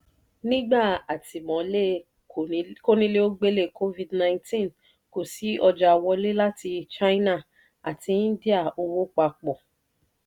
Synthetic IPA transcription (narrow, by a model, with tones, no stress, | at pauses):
nĩ˦ɡ͡ba˦˨a˨ti˨mɔ̃˨˦le˦˨˦ | ko˦nĩ˦le˦o˦ɡ͡be˦le˦˨kʰo˦vi˦dnã˧ĩ˦tĩ˦n | ko˨si˨˦ɔ˧d͡ʒa˧wɔ˧le˦la˦ti˧t͡ʃa˦i˦na˦˨ | a̰˨ti˧˦di˦a˦˨o˧wo˦k͡pa˧˨k͡pɔ˨